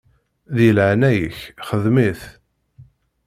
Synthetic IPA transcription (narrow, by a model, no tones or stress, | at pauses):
ðjəlʕanæjəçχəðmiθ